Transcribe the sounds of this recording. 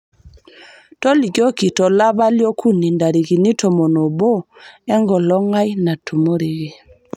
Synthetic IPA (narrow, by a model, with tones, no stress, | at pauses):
tɔ˦li˨kɔ˦ki˨tɔ˨la˦βa˦ljɔ˦kʰu˦ni˨nda˨ɾi˨ɣi˨ni˦tʰɔ˨mɔ˨nɔ˨bɔ˦ɛ˦ŋɡɔ˨lɔ˦ŋa˦jna˨tʰu˨mo˦ɾi˨ɣi˨